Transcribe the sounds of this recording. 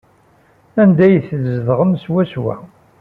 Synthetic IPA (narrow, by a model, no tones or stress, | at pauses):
ænd̪æjθðzðʁəmswæswæ̰